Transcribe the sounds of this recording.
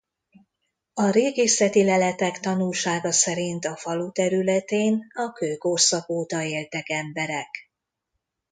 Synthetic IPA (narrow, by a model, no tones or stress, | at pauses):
ɒɾeːɡeːsɛt̪ilɛlɛt̪ɛkt̪ɒnulʃaːɡɒsɛɾint̪ɒfɒlut̪ɛɾylɛt̪eːnɒkøːko̞rsɒpoːt̪ɒeːlt̪ɛkɛmbɛɾɛk